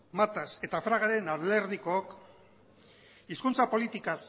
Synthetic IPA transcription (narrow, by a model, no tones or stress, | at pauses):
mat̪ase̞t̪afɾaɣ̞aɾe̞naðleɾðikook | iskunt͡sapo̞lit̪ikas